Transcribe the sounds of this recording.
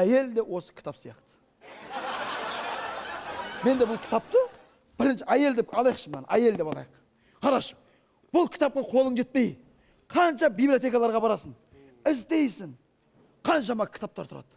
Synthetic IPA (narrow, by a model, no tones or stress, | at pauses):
æje̞ld̪e̞wo̞sə̥kʲʰt̪ɑpsijɑ̰qt̪ə̥ | me̞nd̪e̞ʊlˠkʲʰɪ̥t̪ɑp̚t̪ə | b̥ɪɾɪnʃɪæje̞ld̪e̞pɑlˠɑjqʃəmnɑ̰nʔæje̞ld̪epɑlˠɑjq | qʰɑɾɑʃ | b̥ʊlˠkʲʰɪt̪ɑp̚qɑqʰo̞lˠəɴʒe̞t̪̚pe̞j | qʰɑnʃɑbiblijo̞t̪e̞kalˠɑɾʁɑbɑɾɑsəɴ | ɪzd̪e̞jsɪɴ | qʰɑnʃɑmɑkʲʰɪ̥t̪ɑp̚t̪ɑɾt̪ʰʊɾʔɑ̰d̪̥ə̥